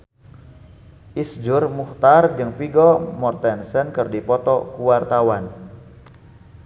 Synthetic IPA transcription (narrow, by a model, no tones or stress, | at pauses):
ʔisd͡ʒʊrmuht̪ard͡ʒɨŋpiɡɔmɔrt̪ɛnsənkərdipɔt̪ɔkuwart̪awan